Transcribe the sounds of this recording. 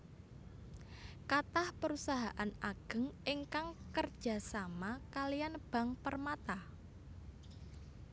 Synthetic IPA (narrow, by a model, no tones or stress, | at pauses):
kat̪ahpəɾusaɦaʔanaɡ̥ə̤ŋɪŋkaŋkərd̥ʒ̥a̤samakalijanb̥a̤ŋpərmat̪ah